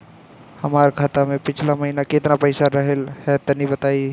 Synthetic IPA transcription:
hɐmaːɾkʰaːt̪amẽpɪt͡ʃʰlamɐɦinakɪt̪napɐɪsaɾɐɦelhɛt̪ɐnibət̪aːi

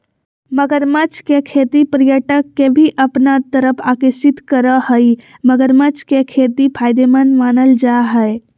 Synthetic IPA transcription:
məɡəɾmət͡ʃkekʰeːt̪ipɾjəʈəkːebʱiʔəpnat̪əɾəpʰaːkəsɪt̪kəɾəhəi | məɡəɾmət͡ʃkekʰet̪ipʰaːjd̪emənmaːnəld͡ʒaɦəe

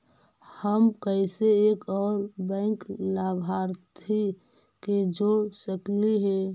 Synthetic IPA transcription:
həmkəɪseeːkɔːɾbɛ̃ːŋklabʱaːɾt̪ʰi | ked͡ʒoɽsəkliɦɛː

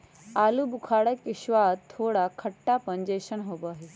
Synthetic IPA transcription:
alubukʰaɽəkiɕʋat̪ʰːoɽakʰəʈːapəɲd͡ʑeɕənɦoboaɦe

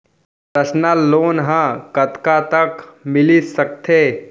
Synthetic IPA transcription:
pɾɐsnaloːnɦãkɐt̪kat̪ɐkmɪlisɐk̚t̪ʰeː

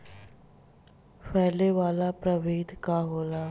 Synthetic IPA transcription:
pɛːɦleʋaːlapɾəʋeːd̪ʱkaɦoːlaː

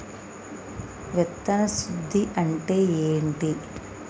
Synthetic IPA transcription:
ʋɛt̪ːɐnɐsud̪ʱːiʔɐɳʈeːeːɳʈi

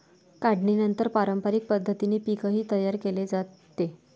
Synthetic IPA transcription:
kaɽɳinənt̪əɾpaɾəmpaɾik̚pəd̪ʱːət̪iniːpikəɦiːt̪əjaɾkeled͡zat̪ːe

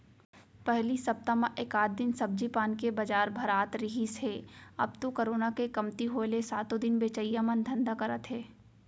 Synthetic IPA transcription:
pɛɦlisɐp̚t̪amãʔekaːt̪̚d̪ɪnsɐb̚d͡ʒipaːnkebɐd͡ʒaːɾbʱɐɾaːt̪ɾɪɦisɦeːɐ̰b̚t̪okəɾoːnakekɐmt̪iɦoːlesaːt̪od̪ɪnbeːt͡ʃəijamɐnd̪ʱɐ̃nd̪akɐɾət̪ɦɛː

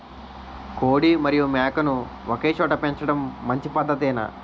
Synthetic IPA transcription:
koːɽimɐɾijumɛːkɐnu | okeːt͡ʃɔːʈɐpeɲt͡ʃɐɽɐmːɐɲt͡ʃipɐd̪ʱːɐt̪ɛːnɐ̰

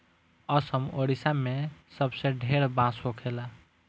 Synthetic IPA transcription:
əsəmoɽisamesəbsẽɖʱeɾbãsɦokʰela

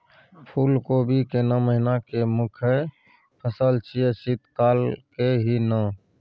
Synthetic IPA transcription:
pʰuːlkobʱikenaməɦɪnakemʊkʰe | pʰəsəlt͡ʃʰiesit̪kaːlkeɦina

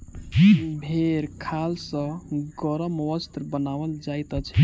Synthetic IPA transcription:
bʱeɾkʰalsə̃ɡɔɾəməwəst̪ɾbənawəld͡ʒajt̪ət͡ʃʰɛ

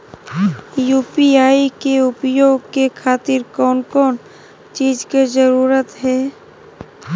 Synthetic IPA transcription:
juːpiaːikeʊpjoːɡkekʰaːt̪ɪɾkɔːnkɔːn | t͡ʃiːd͡ʒked͡ʒəɾuːɾət̪ɦɛː

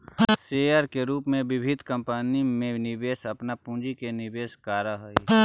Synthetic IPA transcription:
seːaɾkeɾuːpmẽʋɪbʱɪd̪ʱkə̃mpanimẽnɪbeːsɐpnapũːd͡ʒikenɪbeːskaːɾaɦəi

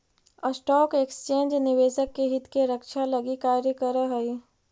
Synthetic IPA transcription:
əsʈɔːkekst͡ʃẽːnd͡ʒnɪʋeːʃəkːeɦɪt̪keɾəkʃaləɡikaːɾjəkəɾəɦəi

